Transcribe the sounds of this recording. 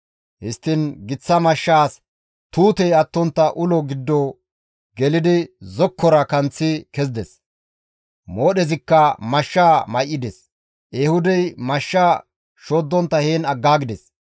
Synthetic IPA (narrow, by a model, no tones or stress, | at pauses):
hɪst̪ːɪnɡɪt͡sːɐmɐʃːaːs | t̪uːt̪ɛjɐt̪ːɔnt̪ːɐʔʊlɔɡɪd̪ːɔ | ɡɛlɪd̪ɪzɔkʰːɔɾɐkɐnt͡sːɪkɛzd̪ɛs | mo̞ːɗɛzɪkːɐmɐʃːaːmɐjʔːɪd̪ɛs | ʔeːhʊd̪ɛjmɐʃːaː | ʃoːd̪ːɔnt̪ːɐheːnɐɡːaːɡɪd̪ɛs